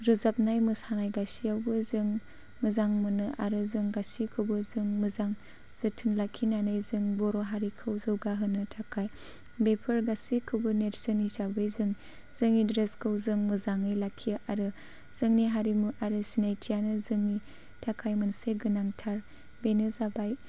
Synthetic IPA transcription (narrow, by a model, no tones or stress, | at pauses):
ɾɯzap̚najmɯsanajɡasiawbɯzɯŋ | mɯzaŋmɯnɯʔaɾɯzɯŋɡasikʰɯwbɯzɯŋmɯzaŋ | z̥ɯtʰɯnlakʰinanɯjzɯŋbɔɾoɦaɾikʰɯwzɯwɡaɦɯnɯtʰakʰaj | bepʰɯɾɡasikʰɯbɯneɾsɯnisabɯjzɯŋ | z̥ɯŋidɾeskʰɯwzɯŋmɯzaŋɯjlakʰːijɯʔaɾɯ | z̥ɯŋniɦaɾimuʔaɾɯsinajtʰijanɯzɯŋni | tʰakʰajmɯnseɡɯnaŋtʰaɾ | benɯzabaj